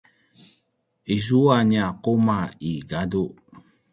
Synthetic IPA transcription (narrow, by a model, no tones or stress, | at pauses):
iz̬uaɲakomaiɡadu